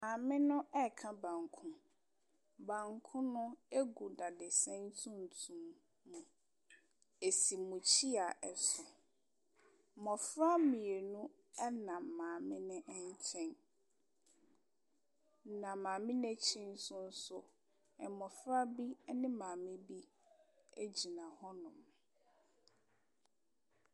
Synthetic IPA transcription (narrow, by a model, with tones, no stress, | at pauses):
mãː˨mɪ̃˦nʊ̃˦ɛ˦˨kʰã˦bã˨ŋ˨kʰʊ̃˦ | bã˨ŋkʰʊ̃˦nʊ̃˦e˦ɡu˨da˨dɪ˨sɛ̃˦n˦tʰũ˦n˨tʰũ˨mː | ũ˨ | e˨si˨mũ˨t͡ɕʰi˦a˨ɛ˨sʊ˨ | mɔ̃˨fɾa˦mĩ˨e˨nũ˦ | ɛ˦nã˨mmãː˨mɪ̃˦nɪ̃˦ʔɛ˦ɲ˦t͡ɕʰɛ̃˦n | nã˨mãː˨mɪ̃˦nɛ̃˦t͡ɕʰĩ˦n˦sʊ˦n̩˦sʊ˦ | ɛ˨mɔ̃˨fɾa˦bi˦nɪ̃˦mãː˨mɪ̃˦bi˦ | e˦d͡ʑi˨nã˨hɔ˦nʊ̃˨m